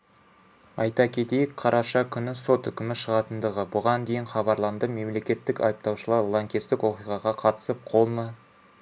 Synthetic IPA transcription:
ɑjt̪ɑkʲʰe̞t̪e̞jɪkqʰɑɾʔɑʃɑkʲʰʏnɪso̞t̪ʏkʲɪmɪʃəʁɑt̪ənd̪əʁəbʊʁɑnd̪e̞jɪnχɑbɑɾlˠɑnd̪əme̞mle̞kʲe̞t̪ːɪkɑ̰jəp̚t̪ɑwʃəlˠɑɾlˠaŋkʲest̪ɪkwo̞qijʁɑʁɑqʰɑt̪ə̥səp̚qʰo̞lˠmɑ

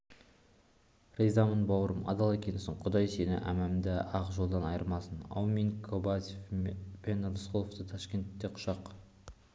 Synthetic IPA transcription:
rejzɑmənbɑwɾəmɑ̰d̪ɑlˠekʲʰenɪsɪɴqʰʊd̪ɑjse̞nɪ̰ʔæ̰mæmd̪ɪɑqʒo̞lˠd̪ɑnɑjəɾmɑsənɑ̰wminkʰobazʲefpe̞nɾəsqolˠoft̪ət̪ʰɑʃkʲe̞nt̪ːe̞qʰʊ̥ʃɑq

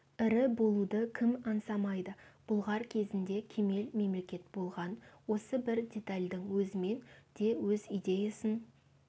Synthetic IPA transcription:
ɪɾɪbo̞lˠud̪əkʲʰɪmɑnsɑmɑjd̪əb̥ʊlˠʁɑɾkʲʰe̞zɪnd̪e̞kʲʰe̞me̞lme̞mle̞kʲe̞t̪̚bo̞lˠʁɑnwo̞səbɪɾdʲe̞t̪alʲd̪ɪŋwɵzɪme̞nd̪̥e̞wɵzijd̪ʲe̞jasən

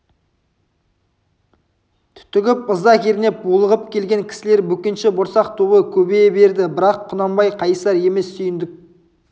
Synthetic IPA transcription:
t̪ʰʏ̥t̪ɪɡʲɪp̚əzd̪ɑkʲʰeɾɪne̞p̚bulˠəʁəpkʲʰe̞lɡʲe̞ŋkʲʰɪ̥sɪleɾbɵkʲɪnʃɪboɾsɑq̚t̪ʰubəkʲʰɵbebe̞ɾd̪ɪbɪɾɑqʰːʊnɑmbɑjqʰɑjsɑɾe̞me̞sːʏjɪnd̪ɪk̚

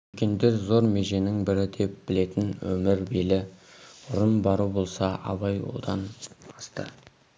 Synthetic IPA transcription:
ɵkʲe̞nd̪e̞ɾzo̞ɾme̞ʒe̞nɪŋbɪɾɪd̪e̞p̚bɪle̞t̪ɪnwɵmɪɾbe̞lɪʊɾəmbɑɾubo̞lˠsɑʔɑ̰βɑjwo̰d̪ɑnɑst̪ə̰

